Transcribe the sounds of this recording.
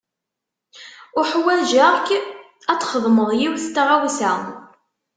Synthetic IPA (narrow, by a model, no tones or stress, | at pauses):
ʊħwæʒæʁk | æt͡sːχəðˤməðˤjiwθt̪ːʁæwsæ